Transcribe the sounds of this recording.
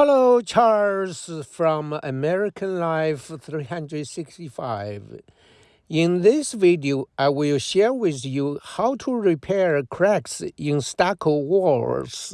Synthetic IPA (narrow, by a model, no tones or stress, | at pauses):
hɛloʊt͡ʃʰɑlˠz̥fɹʌ̃mə̰mɛɹɪkʰə̃nlaɪfθɹihʌ̃ndɹɨdsɪkstifaɪv | ɪ̃nðɪsvɪdioʊʔaɪwɪlˠʃɛɹwɪðjəhaʊtʰəɹɪpʰɛɹkʰɹ̥æksɪ̃nstakʰəwɔɹz̥